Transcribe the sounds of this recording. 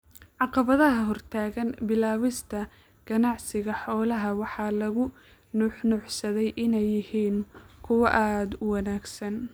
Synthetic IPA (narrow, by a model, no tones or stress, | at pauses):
ʕɑqɑβɐðɐɦɐɦɔrt̪ʰaːɣɐnbɪlaːwɪst̪ʰɐ | ɡ̥ɐnɑʕsɪɣɐħɔːlɐɦɐwɑħɑːlɐɣʊ | nʊħnʊʕsɐðɛjʔɪnɛjːɪhiːnkʰʊwɑʔaːd̪ʊwɑnaːɡsɐn